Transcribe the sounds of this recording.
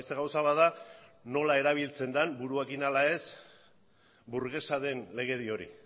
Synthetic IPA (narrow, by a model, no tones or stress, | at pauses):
seɣawsaβaðano̞lae̞ɾaβ̞ilt͡se̞nd̪anbuɾue̞kinalae̞s | buɾɣe̞saðe̞nle̞ɣ̞e̞ðio̞ɾḭ